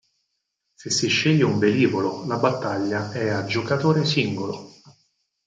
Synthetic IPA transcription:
sesːiʃːeʎːeumbeliːvololabat̪ːaʎːaɛad͡ʒːokat̪oːɾesiŋɡolo

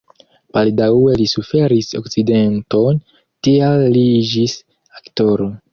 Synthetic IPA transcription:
paldawelisufe̞ɾiso̞̰kt͡side̞nto̞n | tialːiid͡ʒis | akto̞ɾo

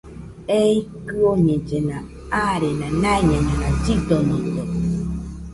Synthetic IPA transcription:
eikɯoɲẽd͡ʒenã | aɾenãnãeɲẽɲãnãd͡ʒid̪oɲĩd͡ʒe

